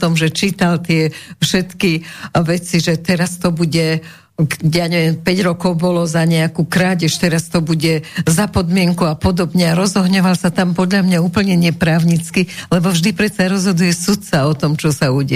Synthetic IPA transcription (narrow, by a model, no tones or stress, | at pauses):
t̪ɔmʒɛt͡ʃiːt̪alt̪ɪɛfʃɛt̪kiʋɛt͡siʒɛt̪ɛɾast̪ɔbuɟɛ | kjaɲɛʋjɛmpɛɟɾɔkɔʊbɔlɔzaɲɛakuːkɾaːɟɛʃt̪ɛɾast̪ɔbuɟɛzapɔd̪mɪɛŋkuapɔd̪ɔbɲɛaɾɔzɔɦɲɔʋalsat̪ampɔd̪ʎamɲauːpl̩ɲɛɲɛpɾaːʊɲit͡skilɛbɔvʒd̪ipɾɛt̪t͡saɾɔzɦɔd̪ujɛsut̪t͡saɔt̪ɔmt͡ʃɔsauːɟɛ